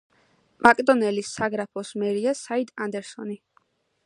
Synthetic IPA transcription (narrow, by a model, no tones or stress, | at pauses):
makʼd̪ɔnɛlisaɡɾapʰɔsmɛɾiasaid̪ʼand̪ɛɾsɔni